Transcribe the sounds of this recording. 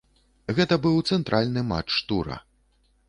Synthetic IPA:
ɣɛt̪ɐbɨwt̪sɛnt̪ɾʔalʲnɨma̰t͡ʂːt̪uɾɐ̰

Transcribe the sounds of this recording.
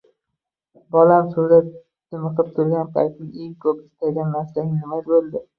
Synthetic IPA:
bɒlamsʊɾat̪ːʲ | ɪmɨqɨp̚t̪ʰʊɾɡʲanpʰa̰jt̪̚nɪe̞ŋkʰɵpɪst̪ʰaɡʲanːaɾslaŋʲnɪmazbolˠd̪ɪ

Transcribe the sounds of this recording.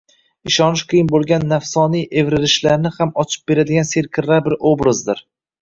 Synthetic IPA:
ɪʃɒnɪʃqʰijɪnbolˠɡʲanːafsɒnijʔe̞vɾɪlɪʃlaɾnɪhamɒt͡ʃʰɪ̥p̚be̞ɾad̪ɪɡʲanse̞ɾkʲʰɪɾaɾbɪɾobɾazd̪ɪɾ

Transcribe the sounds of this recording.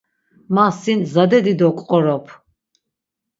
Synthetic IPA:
masinzad̪ɛd̪id̪ɔkʼqʼɔɾɔpʰ

